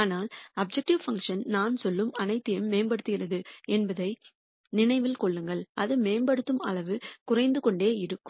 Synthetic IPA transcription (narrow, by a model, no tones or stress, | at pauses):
naːlɐb̚d͡ʒɛk̚ʈɪʋfɐŋkʂɐnnaːnsɔlːɯmɐnɐɪt̪ːɪjɐmːeːmbɐɽɯt̪ːɯɣɪrɐðɯɛnbɐðɐɪ | nɪnɐɪʋɪlkɔɭːɯŋɡɐɭʔɐðɯmeːmbɐɽɯt̪ːɯmɐɭɐʋɯkʊrɐɪnd̪ɯkɔɳɖeːɪɾɯkːɯ